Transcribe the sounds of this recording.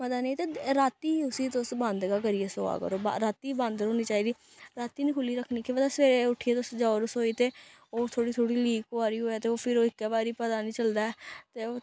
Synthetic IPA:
məd̪aːneĩt̪eːɾaːt̪iːʊsiːt̪ʊsbãnd̪ɡakəɾieːso̰ːa̰ːkə̰ɾoːba̰ɾaːt̪iːbãnd̪ɾɦoːniːt͡ʃaːɦiːd̪iː | ɾaːt̪iːnĩːkʰʊliːɾəkʰːniːkʰeʋaːd̪aseːɾeːʊʈʰiːeːt̪ʊsd͡ʒaːʊɾʊsɦoːiːt̪eː | oːt̪ʰoːɽiːt̪ʰoːɽiːliːkoaːɾiːɦoːaːt̪eːoːpʰɪɾoːɪkːɛːbaːɾiːpəd̪aːnĩːt͡ʃəld̪aːɛːt̪eːoː

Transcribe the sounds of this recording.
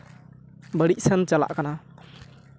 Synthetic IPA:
bəɽic̚sənt͡ʃala̰ʔkana

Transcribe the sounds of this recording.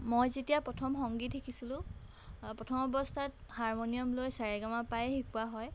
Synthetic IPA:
mojzetijapɹɔtʰɔmxɔŋɡit̚dekʰisilʊ̃ | pɹɔtʰɔmɔbɔstʰathaɹmonijɔmlojsaɹɛɡamapajxikuaɦɔj

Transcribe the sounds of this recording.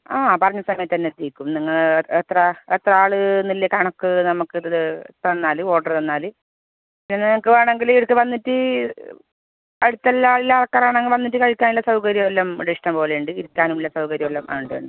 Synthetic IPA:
aːpɐrɐɲːɐsɐmɐjɐt̪ːt̪ɐnːet̪ːijkʲːumniŋːɐɭet̪rɐet̪rɐaːɭɨnilːɐkɐɳɐkːɨnɐmukːɨɨt̪ɐnːaːlɨo̞ːʈːɐrt̪ɐnːaːlɨ | ppinːenːɐmukːɨʋaːɳe̞ŋɡiliʋɐɽkːɨʋɐnːitːɨ | ɐɽut̪ːɐlːaːɭilːalɐkːɐɾaːɳeŋːɡilʋɐnːiʈːɨkɐɻikʲːaːnilːɐsɐwkɐɾjɐolːɐmdiʂʈɐmpo̞ːleuɳɖɨiɾikʲːaːnumilːɐsɐwkɐɾjɐʋolːɐmʔa̰ːuɳɖɨṵɳɖɨ

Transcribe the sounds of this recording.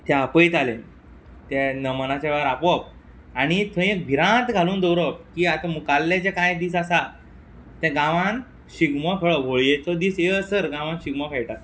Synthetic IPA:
t̪ɛ̃apəjt̪alẽ | t̪ɛ̃nəmənat͡ɕɛʋaɾapɔp̚ | aɽ̃it̪ʰə̃ek̚bʱiɾãt̪ɡʱaluːnd̪əwɾəp̚kiːat̪ãmukalːẽt͡ɕɛkãjd̪iːsasa | t̪ɛ̃ɡãʋãn | ɕiɡməfʰeɭɔʋʱoɭjet̪ɔd̪iːseəsəɾɡãʋãnɕiɡməfɛɭʈa

